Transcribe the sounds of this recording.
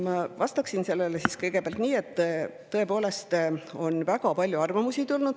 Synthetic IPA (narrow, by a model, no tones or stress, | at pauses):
mɑvɑst̪ɑksinse̞lːelesiskɤjɡe̞peæɑlt̪niːe̞t̪ː | ɤ̞e̞po̞ːle̞st̪o̞nvæɡɑpɑlʲjuɑrvɑmusit̪ulnud̥̪